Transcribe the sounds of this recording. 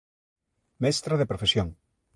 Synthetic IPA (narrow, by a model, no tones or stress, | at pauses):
mɛst̪ɾaðepɾofesjõŋ